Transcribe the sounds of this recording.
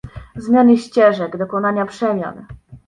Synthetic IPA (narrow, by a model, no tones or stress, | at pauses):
zmʲjanɘɕt͡ɕɛʐɛɡd̪ɔkɔnaɲapʂɛmʲja̰n